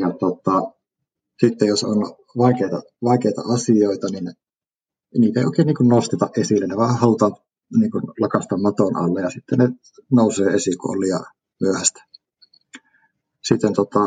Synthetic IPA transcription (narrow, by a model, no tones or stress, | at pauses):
jɑt̪ot̪ːˑɑ | sit̪ːejoso̰n | ʋɑˑikeˑit̪ɑ̰ | ʋɑˑikeˑit̪ɑ̰ɑsioit̪ɑnin | niːt̪æeioˑikeˑːniːŋkunnost̪et̪ɑʔʔesilːenneʋɑˑhɑlut̪ɑːn | niːŋkunlɑkɑst̪ɑmmɑt̪onɑ̰lːejjɑsit̪ːene | noˑuseːesikṵo̰lːiɑ̰ | myøhæst̪æ̥ | sit̪ːent̪ot̪ˑɑ